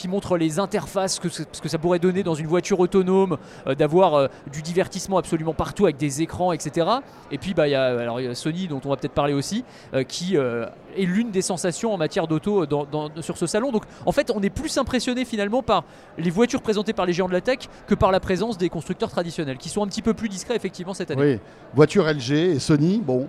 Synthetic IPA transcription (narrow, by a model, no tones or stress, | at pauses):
kʲimɔ̃t̪χəlezɛ̃t̪ɛʁfaskəssə̥kəsapuʁɛd̪ɔned̪ɑ̃zynvwat̪yʁot̪ɔnom | ød̪avwaʁød̪yd̪ivɛʁt̪ismɑ̃apsɔlymɑ̃paʁt̪uavɛk̚d̪ezekχɑ̃ɛkset̪eʁa | epɥibajaøalɔʁasɔnid̪ɔ̃t̪ɔ̃vapøt̪ɛt̪χpaʁleosi | økʲʰiø | ɛlynd̪esɑ̃sasjɔ̃ɑ̃mat̪jɛʁd̪ot̪od̪ɑ̃d̪ɑ̃syʁsəsalɔ̃d̪ɔ̃kɑ̃fɛt̪ɔ̃nɛplysɛ̃pχesjɔnefinalmɑ̃paʁ | levwat̪yʁpχezɑ̃t̪epaʁleʒeɑ̃d̪əlat̪ɛkːəpaʁlapχezɑ̃sd̪ekɔ̃st̪χyk̚t̪œʁt̪χad̪isjɔnɛlkʲisɔ̃ɛ̃pət̪ipøplyd̪iskχɛefɛk̚t̪ivmɑ̃sɛt̪anei | vwat̪yʁɛlʒeːsɔnibɔ̃